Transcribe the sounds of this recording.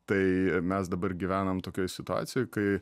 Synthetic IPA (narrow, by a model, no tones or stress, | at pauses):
t̪ɐɪmʲɛsd̪ɐbɐɾrɡʲiʋʲæːnɐmt̪oːkʲojsʲɪt̪ʊɑ̰ːtsʲɪjoːjkɐɪ